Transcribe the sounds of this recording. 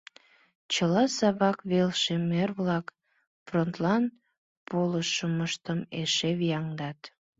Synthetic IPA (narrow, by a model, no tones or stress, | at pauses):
t͡ɕəlɑsɑβɑkβelʃemerβlɑk | front̪lɑn | poləʃəməʃt̪əmeʃeβijɑŋd̪ɑt̪